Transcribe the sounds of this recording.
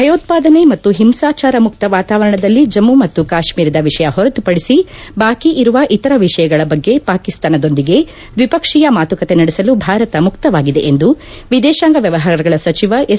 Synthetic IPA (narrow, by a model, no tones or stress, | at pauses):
bʱɐjoːt̪̚paːd̪ɐne̞mɐt̪ːuɦimsaːt͡ʃaːɾɐmukt̪ɐʋaːt̪aːʋɐɾɐɳɐd̪ɐlːid͡ʒɐmːumɐt̪ːukaːʃmiːɾɐd̪ɐʋiʂɐjɐɦɔɾɐt̪upɐɽisibaːkiʔiɾuʋɐʔit̪ɐɾɐʋiʂɐjɐɡɐɭɐbɐɡːe̞paːkist̪aːnɐd̪o̞nd̪iɡe̞ | d̪ʋipɐkʂijɐmaːt̪ukɐt̪e̞nɐɽesɐlubʱaːɾɐt̪ɐmukt̪ɐʋaːɡid̪e̞ʔend̪u | ʋid̪ɛːʃaːŋɡɐʋjɐʋɐɦaːɾɐɡɐɭɐsɐt͡ʃiʋɐʔe